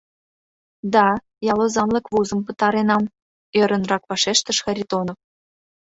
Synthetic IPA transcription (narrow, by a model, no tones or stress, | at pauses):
d̪ɑ | jɑlˠozɑnlɤ̆kβuzɤ̆mpɤ̆t̪ɑɾenɑm | ø̆ɾə̆nrɑkpɑʃeʃt̪ə̆ʃxɑɾʲit̪onof